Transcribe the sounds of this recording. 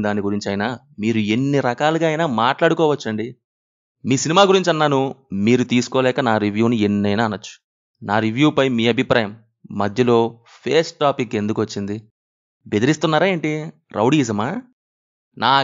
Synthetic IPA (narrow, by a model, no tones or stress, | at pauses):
d̪aːniɡuɾiɲt͡ʃɐjnaː | miːɾue̞nːiɾɐkaːluɡaːɐjnaːmaːʈlaːɽukɔːʋɐt͡ʃːɐɳɖi | miːsinimaːɡuɾiɲt͡ʃɐnːaːnumiːɾut̪iːsu̥kɔːlɛːkɐnaːɾiʋjuːnienːɐjnaːnːɐt͡ʃːu̥ | naːɾiʋjuːpɐjmiːɐbʱipɾʔaːjɐmː | ɐd̪ʱjɐlo̞ː | pʰe̞ːsʈːaːpikːe̞nd̪ukʋɐt͡ʃːind̪i | be̞d̪iɾist̪unːaːɾaːje̞ːɳʈi | ɾʔɐ̰wɽiːzɐmaː | naː